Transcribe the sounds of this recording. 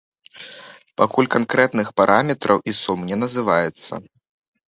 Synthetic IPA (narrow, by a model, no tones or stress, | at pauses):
pakulʲkankɾɛt̪nɨxpaɾʔamʲɛt̪ɾʔɐ̰wʔisumnʲɛnɐzɨvajɛt̪sːɐ̰